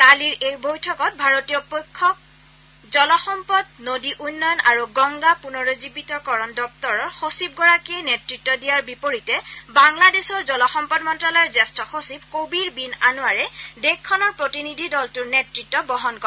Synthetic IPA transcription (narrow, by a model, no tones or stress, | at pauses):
taliɹejbojtʰɔkɔt̚bʱaɹotijɔpojkʰːɔk̚ | zɔlɔxɔmpɔdnodiʔunːɔjɔnaɹuɡɔŋɡapunɔɹozibitɔkɔɹɔndɔp̚tɔɹɔɹxosib̚ɡɔɹakiɛnetɹitːɔdijaɹbipoɹitɛbaŋladesɔɹzɔlɔxɔmpɔdmɔntɹalɔjɔzɛstɔxosibkobiɹbinanuwaɹɛdekʰːɔnɔɹpɹotinidʱidɔltʊɹnetɹitːɔbɔɦɔnkɔ